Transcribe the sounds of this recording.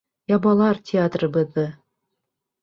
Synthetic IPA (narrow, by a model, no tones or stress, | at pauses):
jɑbɑlˠɑrtʲʰeɑt̪rɤbɤ̆ðːɤ̆